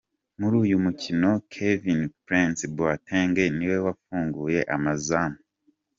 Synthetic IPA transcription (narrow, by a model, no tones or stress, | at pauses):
muɾuːjumucino̞kʰevinpɾinsbuatʰeːŋɡe̞niwe̞wafuːŋɡuːje̞ʔamazamu